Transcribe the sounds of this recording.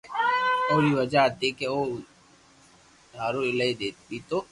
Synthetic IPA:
oːliʋɐd͡ʒaat̪ikeoː | ɦaːɾoɪlaid̪eːt̪ːit̪oː

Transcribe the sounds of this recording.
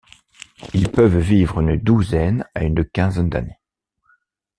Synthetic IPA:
ilpəvvivʁynd̪uzɛnaynəkʲɛ̃zɛnd̪a̰ne

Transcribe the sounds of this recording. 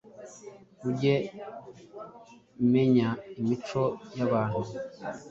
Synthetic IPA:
βuɟe̞ | me̞ɲaimit͡ʃo̞jaβaːn̥hu

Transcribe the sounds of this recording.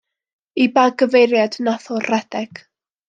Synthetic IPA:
ibaɡəvejɾjadnaθʊrɛdɛɡ̥

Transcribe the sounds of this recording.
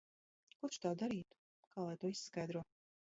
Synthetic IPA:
kut̪t͡ʃt̪aːd̪aɾiːt̪u̥ | kaːlˠajt̪uɔissːkajd̪ɾuɔ

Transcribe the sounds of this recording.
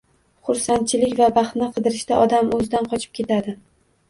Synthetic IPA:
χʊɾsant̪̚t͡ʃʰɪlɪkʲvabaχt̪nɪqʰɨd̪ɪɾɪʃt̪aʔɒd̪amɵzɪd̪anqʰɒt͡ʃʰɪ̥p̚kʲe̞t̪ʰad̪ɪ

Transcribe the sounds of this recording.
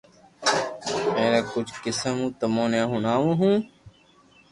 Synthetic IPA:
eːɾeːkʊt͡ʃʰkɪsəmũːt̪əmõːnẽːɦʊnaːʋũːɦũː

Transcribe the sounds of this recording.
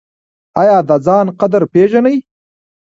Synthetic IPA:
ajɑːd̪ad͡zɑːnqad̪aɾpeʒanəj

